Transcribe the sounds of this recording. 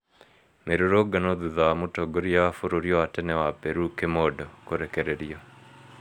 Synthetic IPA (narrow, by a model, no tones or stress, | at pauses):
meɾoɾoɡanoðuðamutoɡoɾiaafoɾoɾjɔwatɛnɛwapeɾukemodɔkoɾekɛɾeɾiɔ